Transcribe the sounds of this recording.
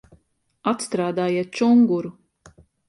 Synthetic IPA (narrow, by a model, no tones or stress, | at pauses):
at̪st̪ɾaːd̪aːjiɛt̪̚t͡ʃuŋɡuɾu